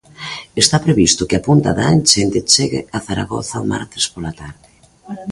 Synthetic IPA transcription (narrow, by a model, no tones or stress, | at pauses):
est̪apɾeβist̪ʊkɪapunt̪a̰ðant͡ʃent̪et͡ʃeɣḛaθaɾa̰ɣo̰θaoma̰ɾt̪e̥spolat̪aɾðɪ